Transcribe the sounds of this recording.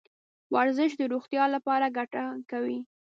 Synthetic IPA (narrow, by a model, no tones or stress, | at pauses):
waɾzɪʃd̪əɾoxt̪jɑlapɑɾaɡaʈakawi